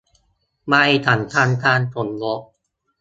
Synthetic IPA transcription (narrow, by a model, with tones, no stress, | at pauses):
ma˧jt̪ʰa˨˩˦nt̪ʰaː˧nt̪ʰaː˧nt̪ʰo˨˩˦nwo˦˥k̚